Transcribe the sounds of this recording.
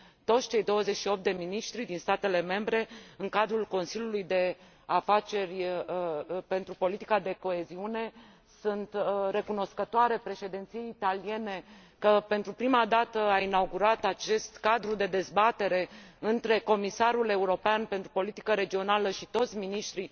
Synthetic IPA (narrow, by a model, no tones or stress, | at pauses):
t̪o̞t̪st͡ʃe̞jd̪o̞wəze̞t͡ʃʃio̞p̚t̪d̪e̞miniʃt̪ɾid̪inst̪at̪e̞le̞me̞mbɾe̞ɨŋkad̪ɾulko̞nsilʲjulujd̪e̞ | afat͡ʃe̞rʲ | pe̞nt̪ɾupo̞lit̪i̥kad̪e̞ko̞e̞ziune̞ | sunt̪re̞kuno̞skət̪oaɾe̞pɾe̞ʃe̞d̪ent̪sijeit̪alije̞ne̞ | kəpe̞nt̪ɾupɾimad̪at̪əainauɡuɾat̪at͡ʃe̞st̪kad̪ɾud̪e̞d̪e̞zbat̪e̞ɾe̞ɨnt̪ɾe̞ko̞misaɾule̞uɾo̞peanpe̞nt̪ɾupo̞lit̪i̥kəɾe̞d͡ʒio̞naləʃit̪o̞t̪sʲminiʃt̪ɾi